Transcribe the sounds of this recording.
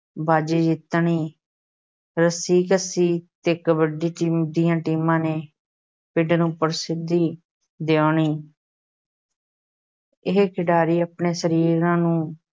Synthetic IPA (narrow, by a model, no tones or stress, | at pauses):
baːd͡ʒiːd͡ʒɪt̪ɳiː | ɾəsiːkəsiːt̪eːkəbəɖiːʈiːmd̪ijãːʈiːmãːneː | pɪɖnũːpəɾsɪd̪iː | d̪eoːɳiː | ɪɦekɪɖaːɾiːaːpɳeːsəɾiːɾãːnũː